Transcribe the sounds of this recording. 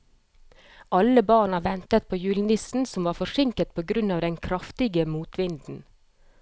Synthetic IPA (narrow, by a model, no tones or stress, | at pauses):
ʔɑləbɑːɳɑʋɛnt̪ət̪̚pʰoːjʉːlnɪsn̩sɔmʋɑːfɔʂɪŋkət̪̚pʰoːɡɾʉnɑːʋd̪ɛnkʰɾɑft̪ɪɡəmuːt̪ʋɪnd̪n̩